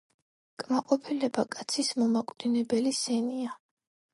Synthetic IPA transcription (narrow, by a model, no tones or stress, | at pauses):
kʼmaqʼɔpʰilɛbakʼat̪sʰismɔmakʼd̪̥inɛbɛlisɛnia